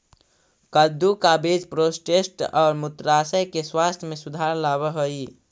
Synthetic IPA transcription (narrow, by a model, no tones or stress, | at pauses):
kəd̪ʱukabed͡ʒpɾoːsʈesʈɔːɾmʊt̪ɾaːsəjkeswaːst̪ʰjmẽsʊd̪ʱaːɾlaːβəɦoi